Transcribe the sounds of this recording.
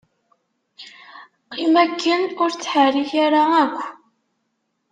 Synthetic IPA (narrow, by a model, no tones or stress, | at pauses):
qimækʰːənʊɾt͡sːħariçaɾaækʷː